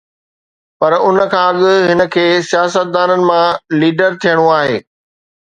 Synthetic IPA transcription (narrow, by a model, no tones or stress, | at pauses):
pɐɾʊnəkʰãːɐɠʊ̆ɦɪnə̆kʰeːsijaːsət̪̚d̪aːnənɪ̆mãliːɖəɾt̪ʰijəɽ̃uaːɦeː